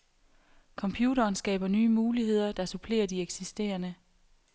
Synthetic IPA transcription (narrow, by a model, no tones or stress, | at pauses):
kʰɒ̽mpʰjuːɾɐːnsɡ̥ɛ̰ːb̥ɐnyːmuːliɦe̝ð̰ˠɐd̥ɑ̈supʰle̝̰ːɐd̥ieɡ̥sisd̥e̝̰ːɐnə